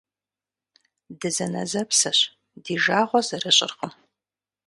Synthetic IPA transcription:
dɨzɐnɐ̰zɐpsɐɕ | diːʒaːʁʷɔzɨrɨɕʼɪ̰rqəm

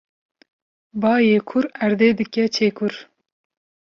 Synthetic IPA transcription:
bɑːjeːkʰʊɾæɾd̪eːd̪ɨkʲɛt͡ʃʰeːkʰuɾ

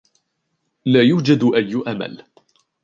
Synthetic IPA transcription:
laːjuːd͡ʒad̪ʔajːʊʔama̰l

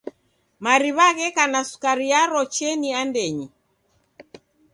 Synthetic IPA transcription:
maɾiβaɣɛkanasu̥kaɾiaɾɔt͡ʃɛniandɛɲi

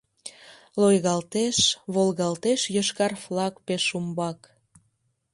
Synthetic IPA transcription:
lojɣɑlt̪eʃβolɣɑlt̪eʃjəʃkɑrflɑkpeʃumbɑk

